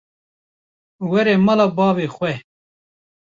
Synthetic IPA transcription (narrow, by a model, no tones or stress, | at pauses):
wɛɾɛːmɑlɑːbɑːveːxwɛ